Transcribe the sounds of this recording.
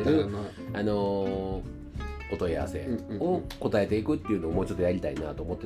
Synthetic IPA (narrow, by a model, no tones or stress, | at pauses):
eɾɯ̟ | ano̞ | ot̪o̞ja̰βa̰se̞̰o̞ko̞t̪ae̞t̪e̞ikɯ̟t̪ːe̞iɯ̟noːmo̞ːt͡ɕo̞t̪ːojaɾʲit̪aina̰t̪oːmo̞t̪ːe